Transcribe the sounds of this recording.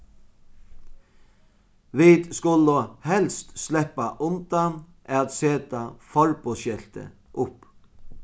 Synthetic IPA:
ʋiːd̪skʊləhɛlst̪slɛpaʔʊnt̪an | ɛat̪seːt̪afɔɹpɔʃɛl̥t̪ə̰ʔʊp

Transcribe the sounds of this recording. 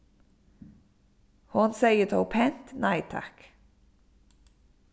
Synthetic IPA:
hʊnseɪət̪ʰoʊpʰɛnt̪næɪt̪ʰa̰k

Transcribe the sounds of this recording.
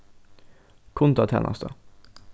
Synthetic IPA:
kʰʊnt̪ɑt̪ʰɛ̰ːnʔɑ̰st̪ʰə

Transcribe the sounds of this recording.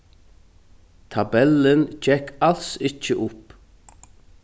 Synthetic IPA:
t̪ʰabɛlənd͡ʒɛkʰalsɪt͡ʃːəʔʊp

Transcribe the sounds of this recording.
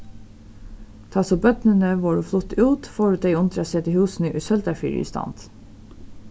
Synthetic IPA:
t̪ʰɑːsoːbœt̪nənəʋoːɹuːflʊt̪ʉːt̪fɔːɹʉːt̪̚d̪eɪʊnt̪ɾɑsɛːt̪ɪhʉːsn̩əʔʉsœld̪æfḭːɾḭːst̪ɑ̰nt̪

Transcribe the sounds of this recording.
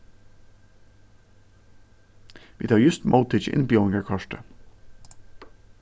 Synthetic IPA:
ʋiːt̪ʰɑːɹjʉst̪mʔɑʊt̪ʰɪd͡ʒɪ̰npiɔŋɡəɹkʰɑʃʈə

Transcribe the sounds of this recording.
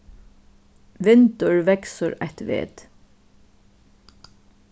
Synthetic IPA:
ʋɪnt̪əɹʋɛksəɹæ̰ht̪ʋḛːt̪

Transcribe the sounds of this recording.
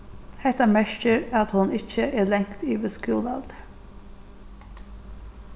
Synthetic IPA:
hɛt̪ɑmæʃkəɾɑt̪hʊnɪçəʔeːlɛŋt̪iːʋeskʉːlɑld̪ə

